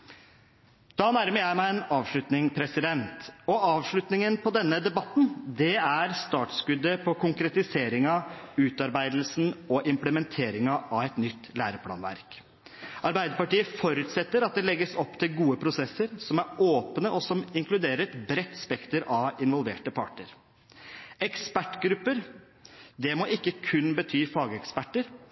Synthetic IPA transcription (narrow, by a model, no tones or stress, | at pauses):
d̪̥ɑːnæɾməɾjæɪmæɪɛnɑːʋʂɭʉt̪nɪŋpʰɾɛsɪd̪ɛnt̪ɔɑːʋʂɭʉt̪nɪŋənpʰɔd̪ɛnːəd̪ɛbɑt̪ːnd̪ɛæɾst̪ɑːʈ̪skʉd̪ːəpʰɔkʰʊŋkɾɛt̪ɪseːɾɪŋɑʉːt̪ɑɾbæɪd̪lsnɔʔɪmpləmɛnt̪ʰeːɾɪŋɑʔɑʋɛt̪nʏt̪ːlæːɾəpʰlɑ̰ːnʋæ̰ɾk | ɑɾbæɪd̪əɾpɑʈiːəfɔɾʉːt̪sɛt̪ːəɾɑt̪̚d̪ɛlɛɡːəsɔpːt̪ʰɪlɡuːəpʰɾʊsɛsːəɾsɔmæɾoːpnəʔɔsɔmɪŋklʉd̪eːɾəɾɛt̪bɾɛt̪ːspɛkt̪əɾɑʋɪnʋɔlʋḛːʈəpʰɑʈːəɾ | ɛkspæʈːɡɾʉpːəɾ | d̪ɛmɔʔɪkːəkʰʉnbət̪ʰyːfɑːɡəɛkspæʈːəɾ